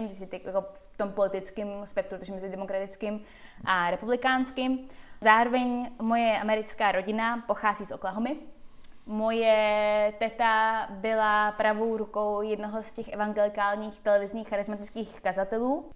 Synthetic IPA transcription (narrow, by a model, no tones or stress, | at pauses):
ɪmsɛt̪kjakoft̪o̞mpo̞lɪt̪ɪt͡skɪmspɛk̚t̪ɾuɾt̪oʒɛmɛzɪdɛmokɾat̪ɪt͡skɪm | ʔaɾɛpublɪkaːnskɪmzaːɾo̞vɛɲmo̞jɛʔamɛɾɪt͡skaːɾo̞ɟɪnapo̞xaːziːsʔoklaɦomɪ | mo̞jɛt̪ɛt̪abɪlapɾavo̞wɾuko̞wjɛdnoɦoscɛxʔɛvaŋɡɛlɪkaːlɲiːxt̪ɛlɛvɪzɲiːxːaɾɪzmat̪ɪt͡skiːxkazat̪ɛluː